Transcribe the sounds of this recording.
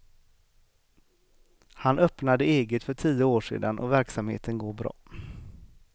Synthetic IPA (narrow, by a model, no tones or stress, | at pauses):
hanʔœpnad̪əeːɡət̪fœʈʰijəoːʂḛːd̪anʔɔ̰væɾksamhḛːt̪ʰənɡoːɾbɾɑ̰ː